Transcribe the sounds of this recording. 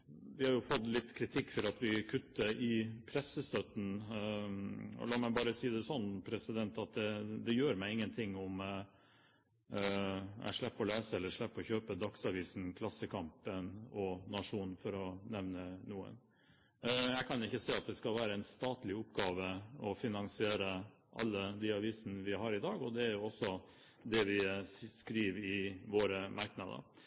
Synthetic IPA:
ʋɪhɑɾjʊfɔt̪ːlɪt̪ːkʰɾɪt̪ʰɪkːfɔɾɑt̪ʋɪkʰʉt̪ːəʔɪpʰɾɛsːəst̪œt̪n̩ | ɔ̰lɑːmæɪbɑːɾəsiːd̪ɛsɔnːpʰɾɛsɪd̪ɛnt̪ɑt̪̚d̪ɛd̪ɛjøːɾmæɪɪŋːənt̪ʰɪŋːʊm | æ̰ɪʂɭɛpːɔleːsəɛlːəɾʂɭɛpːɔçøːpəd̪ɑksɑʋiːsn̩kʰlɑsːəkʰɑmpənɔnɑʂuːnfɔɾɔnɛʋnənuːə̰n | jæɪkʰɑnjʊɪçːəsɛɪɑt̪̚d̪ɛskɑlʋæːɾəɛnst̪ɑːt̪lɪʊpɡɑːʋəɔfɪnɑŋsɪeːɾə | ʔɑ̰lːəd̪iːɑʋiːsnəʋɪɦɑɾɪd̪ɑːɡɔd̪ɛæɾjʊɔsːɔ | d̪ɛʋɪskɾiːʋɪʋoːɾəmʔɑɾknɑd̪ə̰ɾ

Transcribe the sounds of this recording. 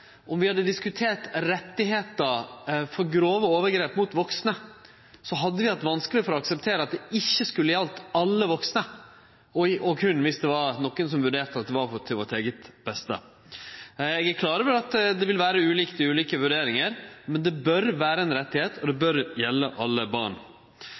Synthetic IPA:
ʔɔmʋɪhɑd̪ːəd̪ɪskʉt̪ʰeːʈɾɛt̪ːɪheːt̪əɾfɔɾɡɾoːʋəoːʋəɾɡɾeːpmut̪ʋɔksnə | sɔɦɑd̪ːəʋɪʋæʈ̪ʋɑnskəlɪfɔɾɔɑksɛp̚t̪ʰeːɾəɑt̪̚d̪ɛɪçːəskʉlːəjɛlt̪ɑlːəʋɔksnə | ɔɔkʰʉnːʋɪsd̪ɛʋɑɾnɔkːənsɔmʋʉɖeːɾt̪ɑt̪̚d̪ɛʋɑɾfɔt̪ʰɪlʋɔt̪eːɡət̪b̥ɛst̪ə̰ | ɛɡæɾkʰlɑːɾəʋɛlɑt̪d̪ɛʋɪlʋæːɾəʉːliːkt̪ɪʉːliːkəʋʉɖeːɾɪŋəɾmɛnd̪ɛbœɾʋæːɾəɛnɾɛt̪ːɪheːt̪ɔd̪ɛbœɾjɛlːəʔɑlːəbɑ̰ɳ

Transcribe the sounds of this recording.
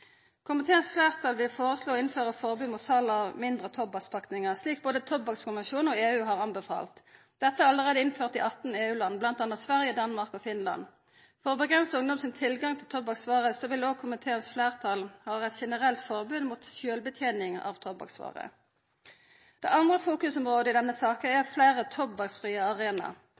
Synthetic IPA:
kʰʊmɪt̪ʰeːənsflæːʁt̪ʰɑːlʋɪlfoːʁəsloːɪnføːʁəfɔʁbyːmʊt̪sɑlːɑʋmɪnd̪ʁət̪ʰɔbɑkspʰɑkt̪ɪŋəʁsliːk̚boːd̪ət̪ʰɔbːɑkskʰʊnʋɛnʃuːnɔeːʉːɦɑʁɑnbəfɑ̰ːlt̪ | d̪̥ɛt̪ːəæʁɑləʁeːd̪əɪnføːʁt̪ɪʔɑt̪n̩eːʉːlɑnːblɑnt̪ɑːnɑt̪sʋæʁjəd̪ɑnmɑʁkɔfɪnlɑ̰n | fɔʁɔbəɡʁɛnsəʊŋd̪ɔmsɪnt̪ʰɪlɡɑŋt̪ʰɪlt̪ʰɔbɑksʋɑːʁəsɔʋɪloːɡkʰʊmət̪ʰeːənsfleːʁt̪ʰɑlhɑːʁɛt̪ʃɛnəʁɛlt̪fɔʁbʉnmuːt̪sjøːlbət̪ʰjeːnɪŋɑ̰ʋt̪ʰɔbɑ̰ksʋɑ̰ːʁə̰ | d̪̥ɛ̰ʔɑnd̪ʁəfuːkʉsɔmʁoːd̪əɪd̪ɛnːəsɑːkənɛʁfleːʁət̪ʰɔbɑksfʁiːəɑʁeːnɑ̰

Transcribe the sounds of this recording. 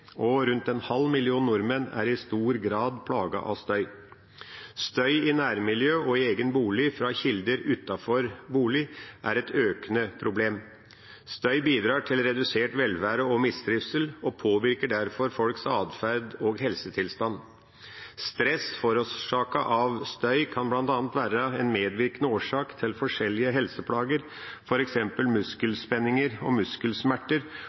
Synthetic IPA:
ɔɾʉnt̪ɛnhɑlːmɪlɪuːnnʊɾmənæ̰ɾɪst̪uːɾɡɾɑːd̪pʰlɑːɡɑ̰ʔɑ̰st̪œʏ | st̪œʏɪnæːɾmɪljøːʔɔɪeːɡənbuːlɪfɾɑçɪld̪əɾʉt̪ɑfɔɾbuːlɪʔæ̰ɾɛt̪ʰøːkənəpʰɾʊbleːm | st̪œʏbiːd̪ɾɑːʈʰɪlɾɛd̪ʉseːʈʋɛlʋæːɾəɔmɪsd̪ɾɪʋsəlɔpʰoːʋɪɾkəɖæɾfɔɾfɔlksɑːd̪fæɾd̪ɔɡɦɛlsət̪ʰɪlst̪ɑn | st̪ɾɛsfɔɾɔʂɑːkɑʔɑʋst̪œʏkʰɑnblɑnt̪ɑːnt̪ʋæːɾəɛnmeːd̪ʋɪɾkənəoːʂɑːkt̪ʰɪlfɔʂɛlːɪəɦɛlsəpʰlɑːɡəɾ | fɔɾɛksɛmpəlmʉskəlspɛnɪŋəɾɔ̰mʉskəlsmæʈːəɾ

